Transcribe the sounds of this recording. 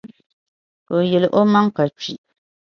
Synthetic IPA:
po˨jɛ˨lʔo˦ma˦ŋ˦ka˨t͡ʃi˨ʔ

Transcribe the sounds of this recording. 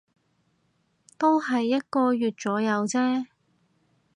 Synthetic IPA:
t̪o˥whɐ˨jːɐ˥t̚kɔː˧jɥyː˨t̚t͡sɔː˨˥jɐ˨˧wt͡sɛː˥

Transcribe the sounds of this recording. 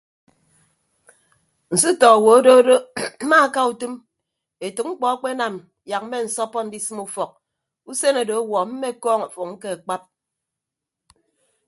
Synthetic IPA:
n̩˨sɨ˦tɔ˨a˨wo˨o˦do˦do˦ma˦ka˦u˨tɨ˦m | e˨tu˨k̚ŋ͡m̩˦k͡pɔ˨a˦k͡pe˦na˨m | ja˨k̚m̩˦me˦n̩˨sɔ˦pɔ˦n̩˦di˦sɨ˦mu˦fɔ˨k̚ | u˦se˦no˨do˨˦wɔ˨m̩˦me˦kɔː˦ŋa˨fo˨k̚ŋ̩˦ke˦a˨k͡pa˦p̚

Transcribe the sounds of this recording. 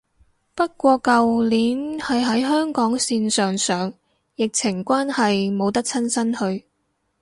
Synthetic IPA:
pɐ˥t̚kʷɔː˧kɐ˨wliː˨˥nhɐ˨jɦɐ˨˥jɦœː˥ŋkɔː˨˥ŋsiː˧nsœː˨ŋsœː˨ŋ | jɪ˨k̚t͡sʰɪ˨˩ŋkʷaː˥nhɐ˨jmo˨˧wt̪ɐ˥k̚t͡sʰɐ˥nsɐ˥nhɵ˧ɥ

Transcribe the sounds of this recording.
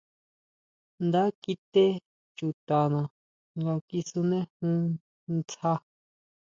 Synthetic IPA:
nd̪a˦ki˧t̪e˦ | t͡ʃu˨t̪a˨nã˨ | ŋɡa˧ki˧su˧nẽ˦hũ˦ | nt͡sa˧

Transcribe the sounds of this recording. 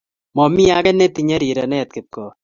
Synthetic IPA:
mɔ˨mi˦a˦ɡɛ˦ne˦t̪i˦ɲa˦ɾi˨ɾɐ˨nɛ˦ɛ˨t̪̚kɪ˨t̪̚kɔ˨

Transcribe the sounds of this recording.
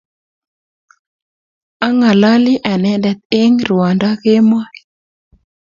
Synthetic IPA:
a˦ŋa˨la˦lɪ˦ʔa˨nɛ˨dɛ˨t̪̚e˦ŋɾwɔ˨nda˦ke˦mɔ˦

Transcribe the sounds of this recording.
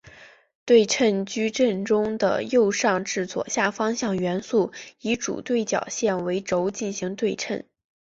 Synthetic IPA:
t̪we˥˧ɪʈ͡ʂʰə˥˩nt͡ɕy˥ʈ͡ʂə˥˧nʈ͡ʂʊ˥ŋd̪ə̰˨jo˥˧ʊʂɑ˥˧ŋʈ͡ʂɻ̩˥˩t͡swɔ̰˨˩ɕja˥˩fɑ˥ŋɕjɑ˥˩ŋɥɛ˧˥nsu˥˩i˧˥ʈ͡ʂṵ˨˩t̪we˥˩ɪt͡ɕjɑ̰˨˩ʊɕjɛ˥˩nwe˧˥ɪʈ͡ʂo˧˥ʊt͡ɕi˥˩nɕi˧˥ŋt̪we˥˧ɪʈ͡ʂʰə̰˥˩n

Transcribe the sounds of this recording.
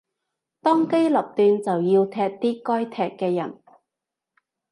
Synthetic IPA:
t̪ɔː˥ŋke˥jlɐ˨p̚t̪yː˧nt͡sɐ˨wjiː˧wt̪ʰɛː˧k̚t̪iː˥kɔː˥jt̪ʰɛː˧kkːɛː˧jɐ̰˨˩n

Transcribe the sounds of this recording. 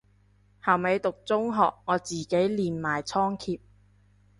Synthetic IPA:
ha˨wme˨˧jt̪ʊ˨k̚t͡sʊ˥ŋɦɔ̰ː˨k̚ŋɔː˨˧t͡siː˨˩ke˨˥jliː˨nmaː˨jt͡sʰɔː˥ŋkʰiː˧p̚

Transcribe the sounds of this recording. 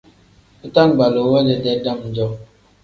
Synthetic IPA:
ə˦ta˦n˨ba˨lo˨˦wɛ˦d͡ʒɛ˨dɛ˦da˦m˨d͡ʒɔ˦

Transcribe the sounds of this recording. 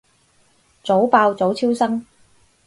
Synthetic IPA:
t͡so˨˥wpaː˧wt͡so˨˥wt͡sʰiː˥wsɐ˥ŋ

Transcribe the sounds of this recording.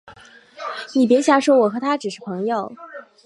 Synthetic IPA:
ni˨˩p̬jɛ˧˥ɕja˧˥ʂwɔ˥wɔ˨˩xɤ˧˥t̪ʰa˥ʈ͡ʂɻ̩˨˩ʂɻ̩˥˩pʰɤ˧˥ŋjo˥˩ʊ

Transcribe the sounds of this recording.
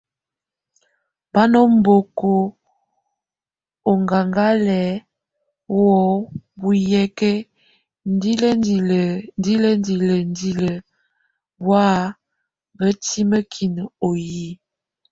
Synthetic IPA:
b̥a˦nɔ˦m˦bo˨ko˨ | o˨ŋɡa˨ŋɡa˦lɛ˨˦ | wɔ˦bu˦jɛ˦kɛ˦ | n˦di˦lə˦i˨lə˨ndi˦lə˦ndi˨lə˨ndi˦lə˨ | wa˦ | bə˦ti˦mə˦kʰi˨nə˨o˨ji˦

